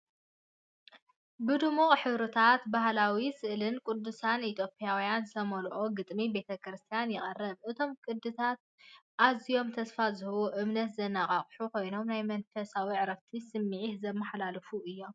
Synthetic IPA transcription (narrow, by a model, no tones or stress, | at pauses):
bɨd̪ɨmuχʼħɨβɾɨt̪ʰat̪bahlawisɨʔlɨnkʼʊd̪ːusanit̪ʰjo̞pʰʼijawjanzt̪ʰɐmɐlʔʼoɡɨt̪ʼmibe̞t̪ʰɐkɾɨst̪ʰijanjɪχʼɐrːɐβʔɨt̪ʰo̞mkʼɨd̪ɨt̪ʰat̪̚ | ʔazijo̞mt̪ʰɐsfazɨhɐwoʔɨmnɐt̪zɐnːaχʼaχʼħuko̞jno̞mnajmɐnfɐsawiʕɾɐft̪ʰisɨmːiʕihzɐmːɐħlalɨfuʔɨjːo̞m